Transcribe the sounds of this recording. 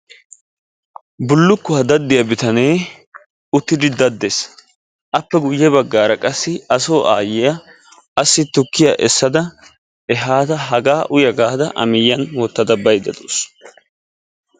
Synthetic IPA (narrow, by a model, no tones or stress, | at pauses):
bʊlːʊkːʊad̪ɐd̪ːɪjɐbɪt̪ɐneː | ʊt̪ːɪd̪ɪd̪ɐd̪ːes | ʔɐpːɛɡʊjːɛbɐɡːaːɾɐkʼɐsːɪɐso̞ːʔa̰ːjɪjɐ | ɐsːɪt̪ʊkːɪjɐʔɛsːɐd̪ɐ | ɛɦaːt̪ɐɦɐɡaːʔʊjɐɡaːd̪ɐʔɐ̰mɪjːɐnwɔt̪ːɐd̪ɐbɐjd̪ɐd̪o̰ːs